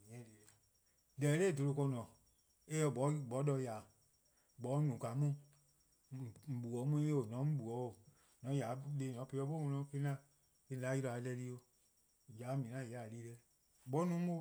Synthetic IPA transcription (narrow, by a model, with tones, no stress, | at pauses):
ɲɛ̃˨˦le˨ɛ˨ | lɛ˨˦le˦˨do˧o˧kɔ˧nɔ̃˨ | e˦ɔ˧˨bɔ˨˦bɔ˨˦dɔ˧˦jaː˨ | bɔ˨˦nũ˨ka˨˦mũ˦˨ | m̩˨bu˨ɔ˨˦mũ˧˦e˦o˨nɔ̃˨˦m̩˦bu˨ɔ˨˦o˨ | nɔ̃˨˦ja˨˦le˧˦˨nɔ̃˨˦pe˧˦ɔ˧˦ɓo˦ŋɔ̃˧nɔ̃˧˦ke˧˦ã˦˨ | i˧˨la˨˦ji˧ɾɔ˧˨a˨˦lɛ˧˦li˧˦o˧˨ | jaː˨˦mĩ˨nã˦˨jliː˨˦lɛ˧˦ | ɓɔ˦nũː˨˦o˦